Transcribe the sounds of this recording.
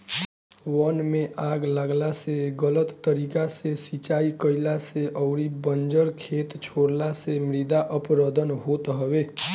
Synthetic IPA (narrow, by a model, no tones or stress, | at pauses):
ʋənmẽʔaɡlaɡlaseɡələt̪ːəɾikasesit͡ʃaikəilaseʔəwɾibənd͡ʒəɾkʰet̪t͡ʃʰoɽlasemɾid̪aʔəpɾəd̪ʱənɦot̪ɦəʋe